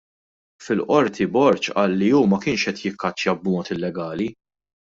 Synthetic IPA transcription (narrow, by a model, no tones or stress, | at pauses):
fɪlʔɔɾt̪ʰibɔɾt͡ʃʔɐlːijuːmɐkɪːnʃɛt̪jɪkːɐt͡ʃːjɐbmɔːt̪ɪlːɛɡɐːli